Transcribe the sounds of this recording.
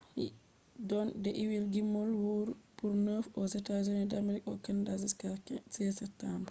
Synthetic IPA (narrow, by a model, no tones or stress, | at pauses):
hi | dɔndɛʔiwilɡimːɔlwuɾpuɾnəfɔsɛtazonidamilikɔkɛndaziskakɛsɛsɛtːamb